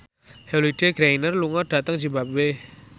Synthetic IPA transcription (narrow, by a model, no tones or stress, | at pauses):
heliɖ̥eɡ̥ɾainərluŋɔɖ̥a̤t̪əŋd͡ʒibap̚we